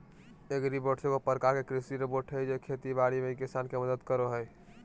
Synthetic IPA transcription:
ekɾipoʈsekopəɾkakekɾisiɾepoʈʰɦəjd͡ʒekʰet̪ibaɽimeikisankeməd̪əd̪kəɾoɦəj

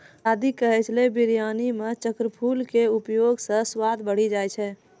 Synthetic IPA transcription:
ad̪ʱikəɦɛt͡ʃʰlebiɾjanimet͡ʃəkɾəpʰulkeupjoɡsə̃swad̪bəɽ̤id͡ʒajt͡ʃʰɛ

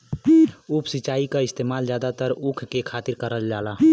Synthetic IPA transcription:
uːpsit͡ʃaːikaɪst̪eːmaːld͡ʒjaːd̪at̪əɾukʰkekʰaːt̪ɪɾkəɾəld͡ʒaːla

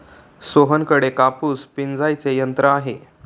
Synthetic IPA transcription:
soɦənkəɽekapuːspind͡zajt͡sejənt̪ɾəaɦe

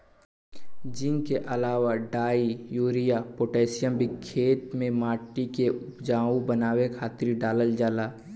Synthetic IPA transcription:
d͡ʒɪŋkeʔɐlaːwaɖaːijuːɾijapoːʈɛːsɪjəmbikʰːeːt̪mẽmaːʈikeʔʊpd͡ʒaːũbənaːwekʰaːt̪ɾiɖaːləld͡ʒaːlaː

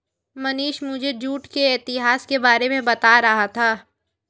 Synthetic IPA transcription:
mɐniːʃmʊd͡ʒʱed͡ʒuːʈkeɛːt̪ɪɦaːskebaːɾemẽbɐt̪aɾɐɦat̪ʰaː

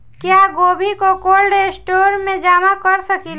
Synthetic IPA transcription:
kjaːɡoːbʱikokoːlɖesʈoːɾmẽd͡ʒaːmakəɾsəkil

